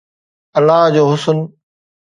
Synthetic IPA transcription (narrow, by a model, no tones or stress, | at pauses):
əlːaːd͡ʑoːɦʊsən